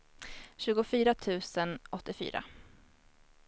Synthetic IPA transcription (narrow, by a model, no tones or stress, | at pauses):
ɕʉ̟ːɡʊfyːɾat̪ʰʉ̟ːsənʔɔt̪ːɪfy̰ːɾa̰